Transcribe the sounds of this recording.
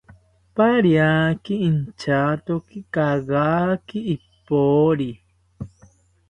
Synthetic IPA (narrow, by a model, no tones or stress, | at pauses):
paɾjakiint͡ʃat̪okikaɣaːkiːpː | oːɾi